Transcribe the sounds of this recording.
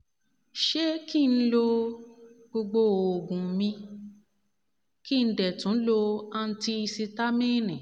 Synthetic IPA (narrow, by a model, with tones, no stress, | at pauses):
ʃe˦ki˦˨n̩˦lo˧ | ɡ͡bo˧ɡ͡bo˧˨o˨ɡũ˨mĩ˧ | ki˦˨n̩˦dɛ˨tũ˨˦lo˧a˧n̩˦ti˧si˧ta˦mĩ˦nĩ˨